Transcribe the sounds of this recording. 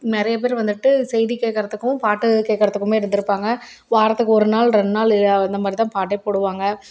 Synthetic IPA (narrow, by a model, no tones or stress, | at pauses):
nɪɾɐjɐp̬eːɾʋɐnd̪ɯʈːɯsɛjðikeːʈkːɐɾɐt̪ːɯkːɯ̃paːʈːɯkeːʈkːɐɾɐt̪ːɯkːɯmeːɪɾɯnd̪ɪɾɯpːaːŋɡɐ | ʋaːɾɐt̪ːɯkːɔɾɯnaːlɾɛɳnaːlɪɐnd̪ɐmaːd̪ɾit̪ãːpaːʈːepoːɽɯʋaːŋɡɐ